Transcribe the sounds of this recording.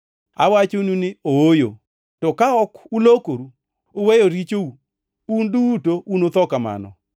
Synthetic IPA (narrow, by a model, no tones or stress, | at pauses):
a̰wat͡ʃonunɪoojo̰ | tɔkaɔkulokoɾu | owejoɾit͡ʃou | undutounot̪ɔkama̰nɔ̰